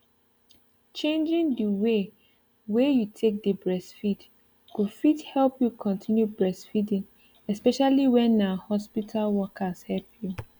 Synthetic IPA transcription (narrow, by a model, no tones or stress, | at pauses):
t͡ʃẽnd͡ʒĩndiwe | wejutʰek̚dəbɹɛsfit | kufithɛlpjukʰɔ̃ntʰĩnjubɹɛsfidĩn | ɛspɛʃaliwɛ̃nahɔspitʰalwɔkʰashɛlpʰju